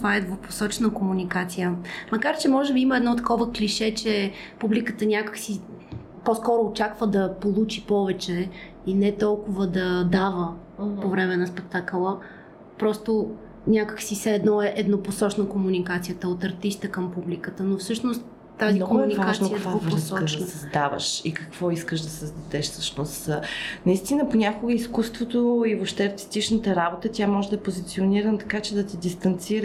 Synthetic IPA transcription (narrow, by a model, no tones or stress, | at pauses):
t̪vaɛd̪vopo̥sɔt͡ʃnəkomunikat̪sijəmɐkaɾt͡ʃɛmɔʒɛbiiməɛd̪nɔt̪ɐ̥kɔvəkliʃɛt͡ʃɛpublikət̪ənʲjakə̥ksi | pɔskɔɾʊːt͡ʃakvəd̪ɐpolˠut͡ʃipɔvɛt͡ʃɛ | inɛt̪ɔlˠkʊvəd̪ɐd̪avə | povɾɛmɛnɐspɛk̚t̪akəlˠə | pɾɔst̪o | nʲakə̥ksisɛɛd̪nɔɛʔɛd̪noposɔt͡ʃnəkomunikat̪sijət̪əot̪ɐɾt̪ist̪əkəmpublikət̪ənofsɤʃnost̪ː | azminɔɡʊɛnivaʒnsikkvaovɾsɔkd̪ɐsɐzd̪avə̰ʃikɐkv̥ɔiskəʃd̪ɐsəzd̪ɐd̪ɛʃfsəʃnost̪ːnɐist̪inəponʲakoɡəiskust̪vot̪oivopʃt̪ɛɐɾt̪i̥st̪it͡ʃnət̪əɾabot̪ət̪ʲamɔʒɛd̪ɐpozit̪sioniɾənt̪ɐ̥kat͡ʃɛd̪ɐt̪id̪ist̪ɐnt̪siɾ